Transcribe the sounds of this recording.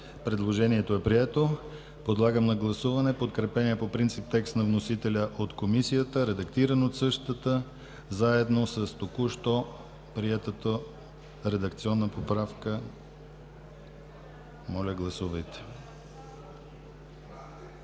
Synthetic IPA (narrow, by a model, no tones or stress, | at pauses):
pɾɛd̪lˠoʒɛniɛt̪oɛpɾiɛt̪o | pod̪lˠaɡəmnɐɡlˠɐsuvɐnɛpot̪̚kɾɛpɛniəpopɾint̪sip̚t̪ɛkst̪nɐvnosit̪ɛlʲəʔot̪komisijət̪əɾɛd̪ɐkt̪iɾənot̪sɤʃt̪ət̪ə | zaɛd̪nosəst̪okuʃt̪ɔ | pɾiɛt̪ət̪ə | ɾɛd̪ɐkt̪siɔnːəpopɾafkə | mɔlʲəɡlˠɐsuvəjt̪ɛ̥